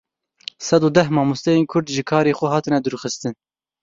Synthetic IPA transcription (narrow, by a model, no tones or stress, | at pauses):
sɛd̪uːd̪ɛhmɑːmust̪ɛjeːnkʰʊɾd̪ʒɨkʰɑːɾeːxʷɛɦɑːt̪ɨnɛd̪ɨɾuxɨst̪ɨn